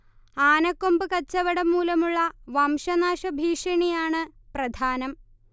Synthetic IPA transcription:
aːnɐkːombɨkɐt͡ɕːɐʋɐɽɐmːuːlɐmuɭːɐʋɐmʂɐnaːʂɐbʱiːʂɐɳijaːɳɨprɐd̪ʱaːnɐm

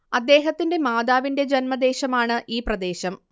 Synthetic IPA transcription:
ɐd̪ːe̞ːɦɐt̪ːinde̞maːd̪aːʋinde̞d͡ʑɐnmɐd̪e̞ːɕɐmaːɳɨʔiːprɐd̪e̞ːɕɐm

